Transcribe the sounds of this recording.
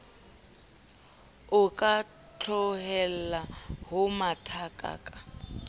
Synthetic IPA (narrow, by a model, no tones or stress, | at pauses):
ʊkʼa | t͡ɬʰɔɦɛlaɦʊmatʰakʼa̰ːkʼa